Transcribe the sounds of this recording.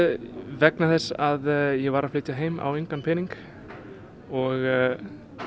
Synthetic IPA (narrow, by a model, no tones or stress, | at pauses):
vɛknaθɛsːaðjɛvaɾaðflɪːt̪c̪aɦeːjma̰wejŋkanpʰɪniŋk | ɔɣ